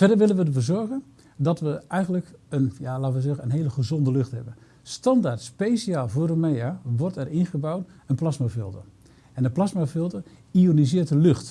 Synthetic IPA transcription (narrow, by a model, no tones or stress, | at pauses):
fɛdəɹʋɪlənʋədəɹvuːzɔɹɣən | dɑtʋəɛjχənləkənjaːlaːtəʋəzɛχənənɦejləχəzɔndəlɵχtɦɛbən | stɑndaɹtspejsiaːlˠvʊːrdəmejaʋɔrtɛrɪnχəbawt | ənplɑsmafɪlˠtə | ɛndəplɑsmafɪlˠtərionizɪːt̚dəlɵχt